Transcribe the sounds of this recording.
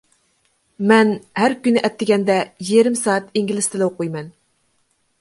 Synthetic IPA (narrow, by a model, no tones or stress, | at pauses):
mɛnhæɾkʲynɪʔɛt̪ʰːɪɡʲɛnd̪ɛjijɾɪmsɑːɑt̪iŋɡʲilɪst̪ʰɪlɛwoqojmɛn